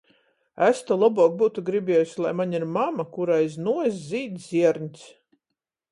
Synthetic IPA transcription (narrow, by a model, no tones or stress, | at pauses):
æst̪ɔlˠabuɔk̚buːt̪uɡɾibʲɛɛjusʲlˠajmaɲiɾmamakuɾajznuɔs̬ziːd̪zʲiɛɾɲʲt̪ʲs